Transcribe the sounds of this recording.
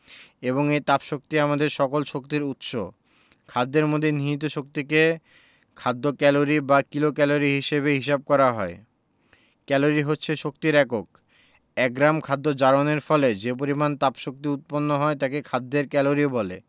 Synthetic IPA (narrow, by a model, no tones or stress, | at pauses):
eβoŋejt̪apʃok̚t̪iamad̪eɾʃɔkolʃok̚t̪iɾut̪ʃo̰ | kʰad̪ːeɾmod̪ʱːeniɦit̪̬oʃok̚t̪ike | kʰad̪ːokɛloɾibakilokɛloɾiɦiʃeβeɦiʃab̚kɔɾaɦɔe | kɛloɾiɦotːɕʰeʃokt̪iɾɛkok̚ | ɛk̚ɡɾamkʰad̪ːod͡ʑaɾoneɾfɔled͡ʑep̬oɾimant̪apʃok̚t̪iut̪̚ponːoɦɔet̪akekʰad̪ːeɾkɛloɾiobɔlḛ